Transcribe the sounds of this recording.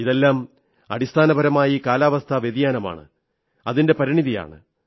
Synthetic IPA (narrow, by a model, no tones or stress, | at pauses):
iðe̞lːaːm | ɐ̰ɽist̪ʰaːnɐbɐɾɐmaːjikaːlaːʋɐst̪ʰɐʋjed̪ijaːnɐma̰ːɳɨ̰ | ɐðinde̞pɐɾiɳiðija̰ːɳɨ̰